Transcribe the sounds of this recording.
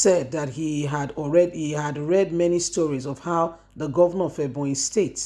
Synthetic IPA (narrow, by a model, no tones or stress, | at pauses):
sɛd̪ðat̚hiɦadɔɹɛdihihadɹɛd̚mɛnistɔɹizɔv̥haʊ | ðəɡɔvənəfɛbɔ̃ĩnstʰets